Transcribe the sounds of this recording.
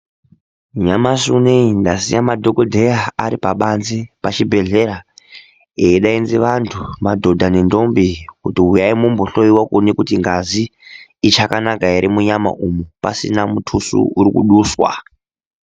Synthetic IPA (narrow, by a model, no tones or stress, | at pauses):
ɲamasuneindasḭjamadʱokodʱejaaɾipaɓanzipat͡ʃibʱe̞ɮe̞ɾa | eiɗainziʋantʰumadʱo̞dʱanendo̞mbikutiɦujaimumboɬojiwakunekutiŋɡaziːt͡ʃakanakaeɾimuɲama̰ʔumupa̰sḭnamutʰusṵuɾikṵɗuswa̰